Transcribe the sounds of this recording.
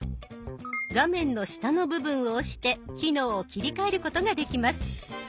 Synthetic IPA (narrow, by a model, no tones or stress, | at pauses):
ɡamẽ̞nːo̞ɕi̥t̪ano̞bɯ̟bɯ̟̃ɰ̃o̞ːɕi̥t̪e̞kʲino̞ːkʲiɾʲikae̞ɾɯ̟ko̞t̪oɡad̪e̞kʲimasɨ̥